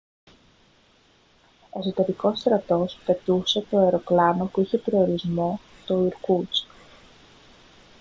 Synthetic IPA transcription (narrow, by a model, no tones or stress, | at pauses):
e̞so̞t̪e̞ɾiko̞st̪ɾɐt̪o̞spe̞t̪use̞t̪o̞eɾo̞klɐno̞puiçe̞pɾio̞ɾizmo̞ | t̪o̞iɾkut͡s